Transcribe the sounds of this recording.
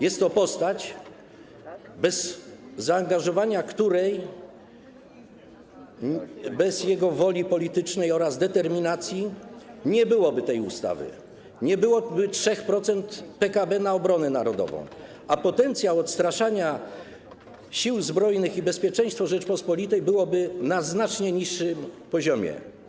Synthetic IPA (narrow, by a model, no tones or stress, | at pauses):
jɛst̪ːɔpɔst̪at͡ɕ | bɛzːaːŋɡaʐɔvaɲakt̪uɾɛj | bɛzjɛɡɔvɔlʲipɔlʲit̪ɘt͡ʂnɛjɔɾazd̪ɛt̪ɛɾmʲinat̪sʲjiɲɛbɘwɔbɘt̪ɛjṵst̪a̰vɘ̰ | ɲɛbɘwɔbɘtʂɛxpɾɔt̪sɛnt̪pɛkabɛnaɔbɾɔnɛnaɾɔd̪ɔ̰vɔ̰̃w̃ | apɔt̪ɛnt̪sʲjawɔt̪st̪ɾaʂaɲa | ɕiwzbɾɔjnɘxibɛspʲjɛt͡ʂɛ̃j̃st̪fɔʐɛt͡ʂpɔspɔlʲit̪ɛjbɘwɔbɘnaznat͡ʂɲɛɲiʂːɘmpɔʑɔmʲjɛ̰